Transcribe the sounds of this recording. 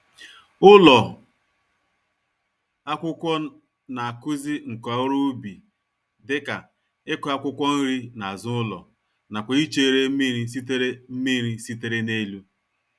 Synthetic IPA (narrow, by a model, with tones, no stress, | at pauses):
ʊ˦lɔ˨ | a˦kʷʊ˦kʷɔ˦ | na˨a˨kʊ˦zi˦ŋ̩˨kɔ˨ʊ˦ɾʊ˦bi˨ | dɪ˦ka˨ | ɪ˦kʊ˦a˦kʷʊ˦kʷɔ˦n̩˦ɾi˦na˨zʊ˦ʊ˦lɔ̰˨ | na˨kʷa˨i˦t͡ʃe˦e˨ɾe˦mi˦ɾi˦si˦t̬e˦ɾe˦m̩˦mi˦ɾi˦si˦te˦ɾe˦ne˦lu˦